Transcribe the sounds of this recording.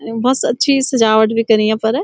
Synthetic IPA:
bɐsɐtːʃʰisɐd͡ʒaːʋəʈbʱikɐɾijãpɐɾ

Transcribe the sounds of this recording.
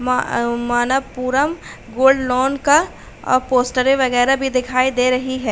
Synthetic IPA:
mamaːnəʋpuːɾəm | ɡoːlɖlɔːnka | ɔ̰ːɾpoːsʈəɾẽʋɐɣɛːɾabʱid̪ɪkʰaːid̪eːɾɐɦiɦɛː

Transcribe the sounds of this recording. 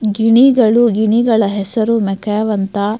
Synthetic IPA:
ɡiɳiɡɐɭuɡiɳiɡɐɭɐɦɛsɐɾumɛkʰɐjɐʋɐnt̪ɐ

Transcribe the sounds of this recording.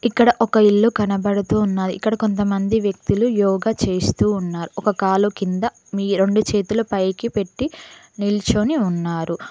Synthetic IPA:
ikːɐɽɐʔɔkɐiɭːukɐnɐbɐɽut̪uːnːaːjiʔikːɐɽɐko̞nt̪ɐmɐnd̪iʋjɐk̚t̪ilujɔːɡat͡ʃe̞ːst̪uːnːaːɾuʔɔkɐkaːlukind̪ɐ | miːɾe̞ɳɖut͡ʃe̞ːt̪ulɐpɐjkipe̞ʈːi | nilt͡ʃoniunːaːɾu

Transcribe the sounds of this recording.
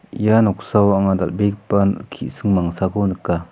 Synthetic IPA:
ijanɔk̚sawaŋad̪albek̚pankʰiʔsɯŋmaŋsaɡonɯkːa

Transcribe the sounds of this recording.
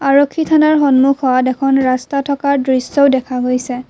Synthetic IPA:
aɹɔkʰːitʰanaɹxɔnmukʰɔadɛkʰɔnɹastatʰɔkaɹdɹisːɔwdɛkʰaɡojsɛ

